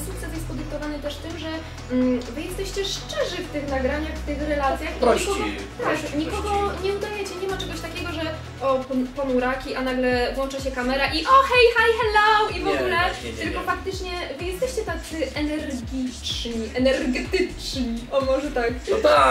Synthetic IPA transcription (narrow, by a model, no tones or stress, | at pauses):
sukt̪sɛsjɛst̪pɔd̪ɨk̚t̪ɔvanɨt̪ɛʂt̪ɘmʐɛ | vɨjɛst̪ɛɕt͡ɕɛʂt͡ʂɛʐɘft̪ɪxnaɡɾaɲaxft̪ɪxɾɛlat̪sʲjaxiɲɲikɔɡɔ | t̪akɲikɔɡɔɲɛud̪ajɛt͡ɕɛɲɛmat͡ʂɛɡɔɕt̪akʲɛɡɔʐɛ | ʔɔpɔpɔnuɾakʲiʔanaɡlɛvwɔnt͡ʂaɕɛkamɛɾaʔiʔɔxɛjxajxɛlɔwivɔɡulɛt̪ɘlkɔfak̚t̪ɘt͡ʂɲɛvɘjɛst̪ɛɕt͡ɕɛt̪akt̪t̪sɨɛnɛɾɡʲit͡ʂɲiʔɛnɛɾɡɛt̪ɘt͡ʂɲiɔmɔʐɛt̪ak̪